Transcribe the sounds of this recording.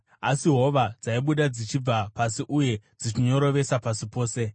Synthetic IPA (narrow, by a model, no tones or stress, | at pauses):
asiɦo̞ʋad͡zaiɓuɗad͡zit͡ʃib͡vapasiʔuje̞d͡zit͡ʃiɲo̞ɾo̞ʋe̞sapasipo̞ːse̞